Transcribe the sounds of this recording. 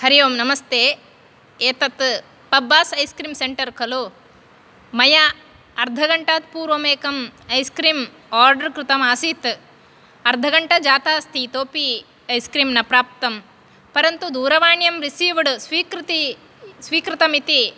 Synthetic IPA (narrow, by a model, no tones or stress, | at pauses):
hɐɾijɐmnɐmɐst̪ʰeː | eːt̪ɐt̪ | pɐbːaːsɐjskɾiːmseɳʈɐɾkɐlu | mɐjɐ | ɐɾd̪ʱɐɡɐɳʈaːt̪̚puːɾʋɐmeːkɐmɐjskɾiːm | aːɾɖɐɾkɾɪt̪ɐmaːsiːt̪ | ɐɾd̪ʱɐɡɐɳʈɐd͡ʒaːt̪aːst̪ʰit̪oːpi | ɐjskɾiːmnɐpɾaːp̚t̪ɐm | pɐɾɐnt̪ud̪uːɾɐʋaːɳjɐmɾisiːʋɐɽsʋiːkɾt̪i | sʋiːkɾɪt̪ɐmit̪i